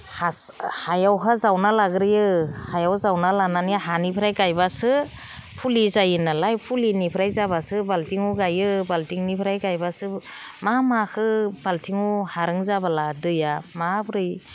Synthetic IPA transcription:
hashajawkʰazawnalaɡɾɯjɯhajawzawnalananiɦanipʰɾajkajbasɯ | pʰulizajɯnalajpʰulinipʰɾajzabasɯbaltʰiŋuɡajɯbaltiŋnipʰɾajkajbasɯ | mamakʰɯbaltʰiŋuhaɾɯŋzabaladɯjamapɾɯj

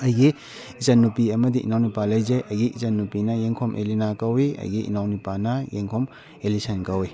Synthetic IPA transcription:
ɐjɡi | izɐnːupiɐmɐdiʔḭnawnipalɐjzejʔɐjɡiizɐnːupinɐjeŋkʰɔmʔḛlinakɐwiɐ̰jɡiʔḭnawnipanɐjeŋkʰɔm | elisɐnkɐwi

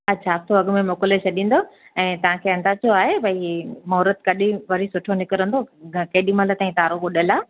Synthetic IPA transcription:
ɐtːɕʰaɐst̪ʰoɐɡmẽmoːkɪlet͡ɕʰɐɗĩːn̆d̪oɛ̃ːt̪ɐʋ̤ãkʰeːɐ̃nd̪at͡ɕʰoaːɦebʱɐimɔːɾət̪kɐɗĩʋɐɾ̤isʊʈʰonɪkɪɾə̃nd̪okɐɦɪɗimãlət̪ãːĩt̪aːɾoɡʊɗəlaː

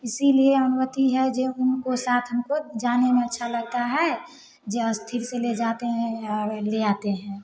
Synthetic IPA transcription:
ɪsilieənumət̪iɦɛd͡ʒeʊnkosaːt̪ʰɦəmkod͡ʒaːnemẽətːʃʰaləɡ̚t̪aɦɛ | d͡ʒeəst̪ʰiɾseled͡ʒat̪eɦɛ̃ɔːɾleat̪eɦɛ̃

